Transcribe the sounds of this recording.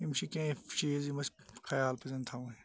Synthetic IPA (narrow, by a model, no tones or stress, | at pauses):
imʃikẽʃiːzimɐs | kʰɐjaːlpɐzɐnt̪ʰaũ